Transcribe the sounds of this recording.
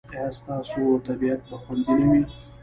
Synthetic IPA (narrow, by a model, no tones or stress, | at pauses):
ast̪ɑːsoawt̪abijat̪̚pəxwand̪əɽiwi